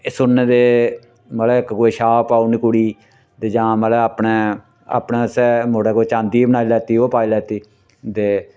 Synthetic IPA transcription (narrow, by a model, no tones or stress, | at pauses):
esʊnːẽːd̪eː | məːlɛːɪkkoːeːʃaːpaːunikʊɽiː | t̪eːd͡ʒãːməlɛːaːpɳeː | a̰ːpnẽːsɛːmoːɽɛːkoːt͡ʃãːnd̪iːbənaːilɛːt̪iːoːpaːiːlɛːt̪iː | t̪eː